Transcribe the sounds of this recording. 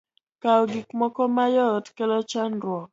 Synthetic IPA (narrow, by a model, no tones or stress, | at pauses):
kaɔɡikmɔkɔmajɔtkɛlɔt͡ʃandɾwɔ